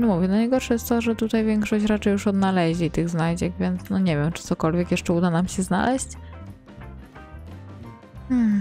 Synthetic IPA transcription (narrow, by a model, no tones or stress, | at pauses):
ɛmuvʲjɛnanajɡɔɾʂɛjɛst̪t̪ɔʐɛt̪ut̪ajvʲjɛŋkʂɔɕt͡ɕɾat͡ʂɛjːuʂɔd̪nalɛʑlʲit̪ɘɣznajd͡ʑɛkvʲjɛnt̪snɔɲɛvʲjɛmt͡ʂɘt̪sɔkɔlvʲjɛkjɛʂt͡ʂɛud̪anamɕɛzna̰lɛɕt͡ɕ